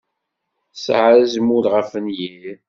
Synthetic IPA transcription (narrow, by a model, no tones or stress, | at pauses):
sʕɾæzəmuɾʁəfənjiɾ